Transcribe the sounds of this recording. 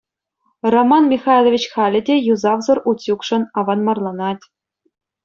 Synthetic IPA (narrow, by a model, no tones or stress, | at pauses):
romɑnmʲixɑjlʲˠovʲit͡ɕχɑlʲɘ̆dʲejuzɑʋzɤ̆rʔutʲjukʂɤ̆nɑʋɑnmɑrlˠɑnɑtʲ